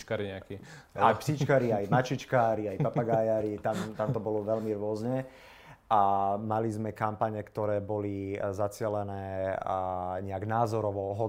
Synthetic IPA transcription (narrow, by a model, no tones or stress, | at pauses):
kaɾiɲɛaki | ajpsit͡ʃkaːɾiajmat͡ʃit͡ʃkaːɾiajpapaɡajaːɾit̪amt̪amt̪ɔbɔlɔʋɛlmiɾʊɔzɲɛ | amalizmɛkampaɲɛkt̪ɔɾɛːbɔlizat͡sɪɛlɛnɛː | ɲɛaɡnaːzɔɾɔʋɔɦɔ